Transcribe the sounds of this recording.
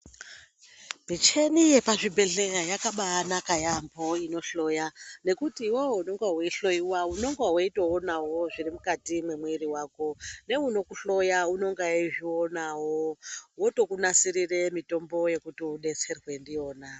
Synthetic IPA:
bit͡ʃe̞nije̞paʐibʱe̞ɮe̞rajakaɓaːnakajambo̞ino̞ɬo̞jane̞kutiwowouno̞ŋɡaweiɬo̞jiwauno̞ŋɡaweitoonawo̞ʐirimukatimwe̞mweɾiwaːko̞ne̞uno̞kuɬo̞jauno̞ŋɡaiʐionawowoto̞kunasiriremito̞mbo̞je̞kutiuɗe̞t͡se̞rwe̞ndijo̞ːna

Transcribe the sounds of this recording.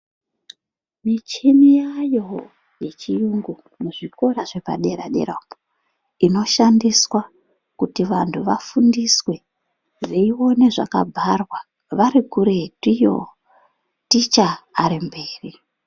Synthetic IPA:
mit͡ʃinijajo̞ | je̞t͡ʃijuŋɡu | muʐiko̞ɾaʐe̞pa̰ɗe̞ɾaɗe̞̰ɾapo | ino̞ʃandiswa | kutiʋantʰuʋafundiswe̞ | reiwo̞ne̞ʐa̰ka̰bʱarwa | ʋaɾikuɾe̞tijo̰ | tit͡ʃaːɾimbeːri

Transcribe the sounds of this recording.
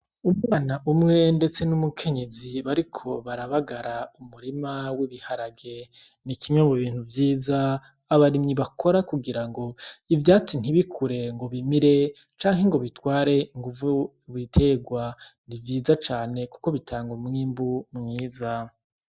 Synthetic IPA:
umuŋanaʔumŋe̞nde̞t͡se̞numukʰe̞ɲe̞ziβaɾikʰo̞βaɾaβaɡaɾaumuɾimawiβihaɾaɡe | nikimɲemuβiːn̥huvjiːzaː | βaɾimɲiβakʰo̞ɾakuɡiɾaŋɡo̞ivjaːt͡sin̥iβikʰuɾe̞ŋɡo̞βimiɾe̞ | t͡ʃaːŋɦe̞ŋɡo̞βitwaːɾe̞iŋɡuvu | βitʰe̞ɡwanivjiːzat͡ʃaːne̞ku̥ko̞βitʰaːŋɡomŋiːmbumŋiːza

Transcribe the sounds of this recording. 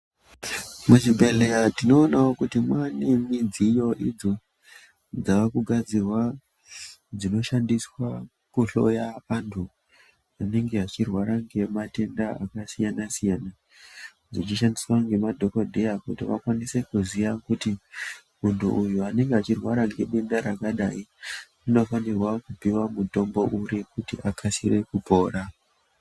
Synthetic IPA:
mut͡ʃibʱe̞lejatino̞ːnaokutimwanemid͡zijo̞ʔid͡zo̞ | d͡zaʋakuɡʱad͡zirwa | d͡zino̞ʃandiswa | kuɬo̞̰jaʋantʰu | ane̞ŋɡe̞ɦat͡ʃirwaɾaŋɡe̞mate̞ndaa̰kasijanasijana | d͡zit͡ʃiʃandiswaŋɡe̞madʱo̞kodʱejakutiʋa̰kwanise̞kuzijakuti | muntʰṵʔːjuane̞ŋɡeat͡ʃirwaɾaŋɡe̞ɓendaɾakaɗai | ino̞fanerwakupiwamuto̞mbo̞ʔuɾikutḭʔakʰasire̞kupo̞ːɾa

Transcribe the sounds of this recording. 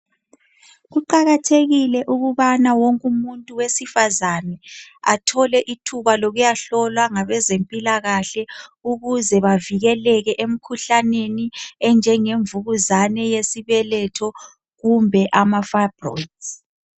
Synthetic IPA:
ɣuǃaɣatʰeɣilɛʔuɣuβanawoŋkʼumuntʼuwesifazanɛa̰tʰɔlɛʔitʰuβaloɣujaɬɔlwaŋaβɛzempʼilaɣaɬɛuɣuzɛβaviɣɛlɛɣɛʔem̩kʰuɬaneniɛnd͡ʒʱɛŋeɱvuɣuzanɛjesiβɛlɛtʰɔ | ɣumbʱɛʔamafabrɔ̰ds

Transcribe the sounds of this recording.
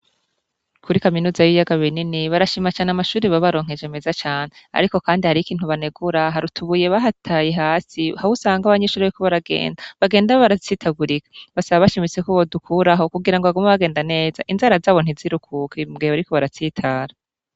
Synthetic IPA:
kuɾikaminuːzajijaɡaβininiβaɾaʃiːmat͡ʃaːneamaʃuːɾiβaβaɾo̞ːŋ̥e̞d͡ʒemezat͡ʃaːnea̰ɾiko̞kaːndihaɾikiːnhuβaneɡuɾaɦaɾutʰuβuje̞βaɦatʰajeɦaːsihahusaːŋɡaβaɲeʃuːɾeikoβaɾaɡe̞̰ːndaβaɡe̞ːndaβoβaɾat͡siːtʰaɡuɾikḁβasaβaβaʃimit͡sekoβodukʰuɾaɦo̞kuɡiɾaŋɡoaɡo̞maβaɡe̞ːndane̞ːzaʔinzaɾazaːβo̞n̥iziɾukʰukʰimɡieβaɾikoβaɾat͡sitʰaːɾa

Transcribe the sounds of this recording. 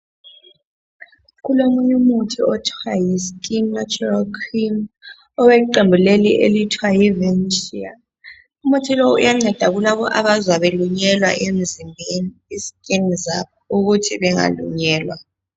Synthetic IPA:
ɣulomuɲumutʰiɔtʰwajiskʼinnat͡ʃʼuralkʰrim | ɔwɛǃembʱuleliʔḛlitʰwajivɛnʃia̰ | umutʰilɔṵjaŋ͡ǀɛd̥ʱaɣulaβɔʔaβazwaβeluɲɛlwa̰ʔem̩zimbʱeniiskʼiniza | uɣutʰiβɛŋa̰lṵɲɛːlwa

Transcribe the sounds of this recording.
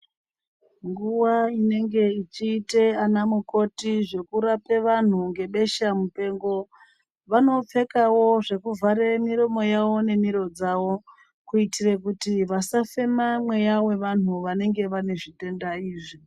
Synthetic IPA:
ŋɡuwaine̞ŋɡe̞it͡ʃiːteanamuko̞tiʐe̞kuɾape̞ʋan̤uŋɡe̞ɓe̞ʃamupe̞ːŋɡo̞ | ʋano̞p͡fe̞kawo̞ʐe̞kuvʱaɾemiɾomo̞jawo̞ne̞miɾo̞d͡zawo̞ | kuitirekutiʋasafe̞mamwe̞jawe̞ʋan̤uʋane̞ŋɡe̞ʋane̞ʐite̞ndaiːʐi

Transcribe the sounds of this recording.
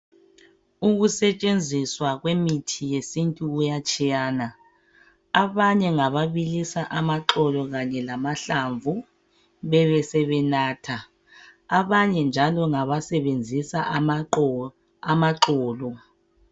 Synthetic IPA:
uɣusɛt͡ʃʼend͡zʱiswaɣwemitʰijesintʼuujat͡ʃʼijaːna | aβaɲɛŋaβaβilisaʔamaǁɔlɔɣaɲɛlamaɬaɱvu | βɛβɛsɛβɛnaːtʰa | aβaɲɛnd͡ʒʱalɔŋaβasɛβend͡zʱisaʔ | amaǁɔːlɔ

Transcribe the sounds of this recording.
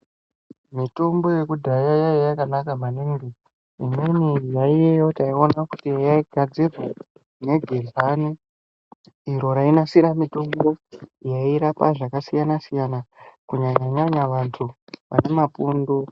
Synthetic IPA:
mito̞mbo̞je̞kudʱajajajajakanakamaneŋɡe | imenejaijejo̞taionakutijaiɡʱad͡zirwa | ne̞ɡʱeɮani | ɾo̞ɾainasiɾamito̞mbo̞jaiɾapa̰ʐakasijanasijanakuɲaɲaɲaɲaʋantʰuʋa̰ne̞mapundo

